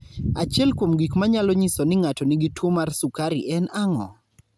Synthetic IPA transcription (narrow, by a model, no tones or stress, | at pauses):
at͡ʃɛlkwomɡikmaɲalɔɲisonɪŋatɔniɡitwomarsukaɾiʔɛnaŋɔ̰